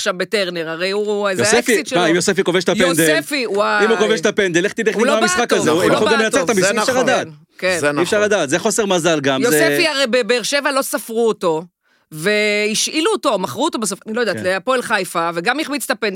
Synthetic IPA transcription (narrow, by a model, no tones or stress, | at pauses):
aχʃavbe̞te̞ʁne̞ʁaʁejuezjoeasefisiʃemaimjosefikoveʃt̪ajed̪eefiwaimukoveʃt̪apend̪eleχt̪idelaaisχakazeujolɡamlenat͡set̪amiiʃaʁlad̪at | kenniːfʃaʁlad̪aːt̪zeχo̞seʁmazalɡamjozesefiaʁejbebeːʁʃe̞valo̞safʁuoto̞ | ve̞iʃʔiluoto̞maχʁuot̪obasofanilojdatleapo̞elχajfave̞ɡamiχmit͡st̪apend